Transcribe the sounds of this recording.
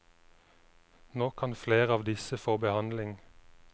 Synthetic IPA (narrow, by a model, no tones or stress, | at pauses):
noːkʰɑnfleːʁəɑːʋd̪ɪsəfoːbəhɑnlɪŋ